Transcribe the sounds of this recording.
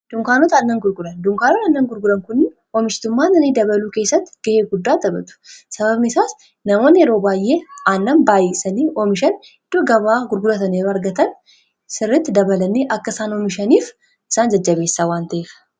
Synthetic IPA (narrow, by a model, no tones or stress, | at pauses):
d̪̥ʊŋkaːnɔt̪aːnːɐŋɡʊɾɡʊlɐnd̪ʊŋkaːnɔt̪ɐnːɐŋɡʊɾɡʊɾɐŋkʊnːɪ | ɔmɪʃt̪ʊmːaːnːɐnid̪ɐβɐluːke̞ːsːɐt̪ːɪɡ̥ɐheːɡʊd̪ːaːd̪ɐbɐ̰t̪ʊ̥sɐβɐbnɪɪsaːs | nɐmoːnːɪjɛɾo̞ːbaːjʔːeːaːnːɐnbaːjeːsɐniːʔɔmɪʃɐn | ɪd̪̥ːoɡɐβaːɡʊɾɡʊlɐt̪ɐneːɾɐɾɡɐt̪ɐn | sɪrːɪt̪ːɪd̪ɐbɐlɐnːiːʔɐkːɐsaːnɔmɪʃɐniːf | ʔɪsaːnd͡ʒɐd͡ʒːɐbeːsːaːwaːnt̪ɐʔeːfɐ̥